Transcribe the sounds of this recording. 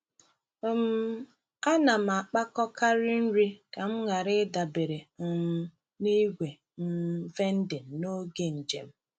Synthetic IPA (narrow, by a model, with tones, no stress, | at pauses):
m̩˦ | a˦na˨m̩˨a˨k͡pa˦kɔ˦ka˦ɾi˦n̩˦ɾi˦ka˨m̩˦ŋʷa˨ɾɪ˦da˨be˨ɾe˨m̩˨m̩˦ | ni˦ɡʷe˨ | m̩˦ve˦n̩˦dɪ˨no˦ɡe˦n̩˨d͡ʒḛ˨m̩˦